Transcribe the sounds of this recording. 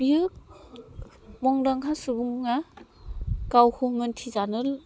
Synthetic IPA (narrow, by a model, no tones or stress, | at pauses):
biɯk̚ | mɔŋdaŋɦasubuŋŋa | kawhumɯntʰizanɯl